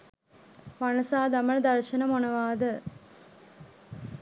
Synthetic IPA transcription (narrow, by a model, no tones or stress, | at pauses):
ʋɐnɐsaːd̪ɐmɐɭd̪ɐɾʃɐnɐmonɐʋaːd̪ɐ